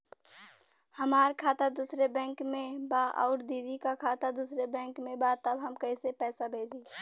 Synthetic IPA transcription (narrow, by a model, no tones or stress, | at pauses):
həmaːɾkʰat̪ad̪usɾebɛ̃ːŋkmebaʔɔ̰ʊɾd̪id̪ikakʰat̪ad̪usɾebɛ̃ŋkmebat̪əbɦəmkəɪsepɛːsabʱed͡ʒi